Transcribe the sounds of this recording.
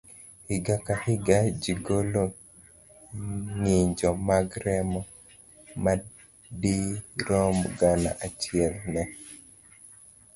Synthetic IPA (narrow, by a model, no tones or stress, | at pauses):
hɪɡakahɪɡad͡ʒiɡolo | ŋɪɲd͡ʒɔmaɡɾɛmɔ | ma | diɾɔmɡana̰ʔat͡ʃɪɛlnɛ